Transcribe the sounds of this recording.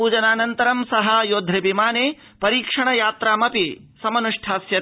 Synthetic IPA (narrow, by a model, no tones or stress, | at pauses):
uːd͡ʒɐnaːnɐnt̪ɐɾɐmsɐɦɐjoːd̪ʱɾɐbimaːneː | pɐɾiːkʂɐɳɐjaːt̪ɾaːmɐpi | sɐmɐnuʂʈʰaːsjɐ